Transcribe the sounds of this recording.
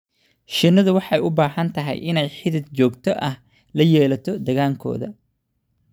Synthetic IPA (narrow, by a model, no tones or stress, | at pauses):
ʃɪnɐðʊwɑħɑjʊbaːɦɐnt̪ʰɐɦɛ̰jʔɪnɛjħɪðɪd̪̚t͡ʃɔːɡt̪ʰɔʔɐh | lɐjɛːlɐt̪ʰɔd̪ɐɣaːŋkʰɔ̰ːðɐ̰